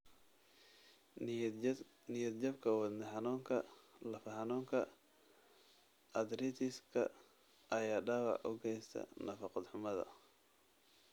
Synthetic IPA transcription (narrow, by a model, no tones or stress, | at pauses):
nɪjɐd̪d͡ʒɐbkʰɐwɑd̪nɛhɑnuːŋkʰɐlɐfɐhɑnuːŋkʰɐ | ʔɐd̪ɾit̪ʰɪskʰɐ̰ | ʔɐjaːɖɑwɑ̰ʕʔʊ̰ɡɛjst̪ʰɐ̰nɐfɑqɔd̪ħʊmɐðɐ̰